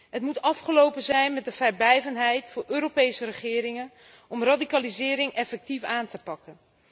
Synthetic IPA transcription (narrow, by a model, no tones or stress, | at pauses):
ɦətmutɑfχəlowpənzɛjnmɛtdəvɛɹblɛjvənɦɛjtfʊːɹʔøːɾowpejsəɾəχɪːɾɪŋən | ɔmradikaːlizɪːɾɪŋɛfɛk̚tifaːntəpɑkən